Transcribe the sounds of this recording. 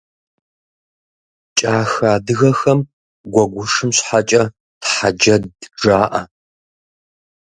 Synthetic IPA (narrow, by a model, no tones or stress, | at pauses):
t͡ʃʼaːxaːdɨɣɐxɐm | ɡʷɔɡʷʊʂɨmɕħat͡ʃʼɐ | tħad͡ʒɐdd͡ʒaːʔɐ̰